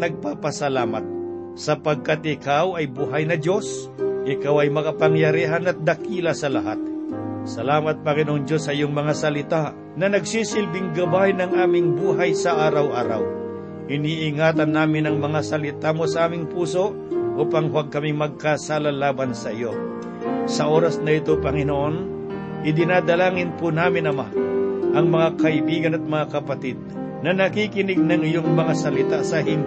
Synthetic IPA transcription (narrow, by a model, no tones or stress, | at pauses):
nɐɡ̚paːpɐsɐlaːmɐt̪̚ | sɐpɐɡ̚kat̪ɪkawɐjbuːɦɐjnɐdo̞s | ʔɪkawɐjmɐkɐpɐŋjɐɾiːɦanɐt̪̚d̪ɐkiːlasɐlɐɦat̪̚sɐlaːmɐt̪̚pɐkɪnoŋd͡ʒo̞sːɐʔɪjoŋmɐŋasɐlɪt̪a | nɐnɐɡsiːsɪlbɪŋɡɐbajnɐŋʔaːmɪŋbuːɦajsɐʔaːɾɐwʔaːɾa̰w | ʔɪniːʔɪŋaːt̪ɐnːaːmɪnɐŋmɐŋasɐlɪt̪aːmosɐʔaːmɪŋpuːso̞ʔ | ʔoːpaŋhwaɡ̚kɐmimɐɡ̚kasaːlalaːbɐnsɐʔɪjo̞ | sɐʔo̞ɾɐsnɐɪt̪o̞pɐŋɪnoʔo̞n | ʔɪd̪ɪnaːd̪ɐlaːŋɪnpʊnaːmɪnɐmaʔɐŋmɐŋakɐʔɪbiːɡɐnɐt̪̚mɐŋakɐpɐt̪ɪd̪̚ | nɐnɐkikɪnɪɡ̚nɐŋɪjo̞ŋmɐŋasɐlɪt̪asɐɦɪm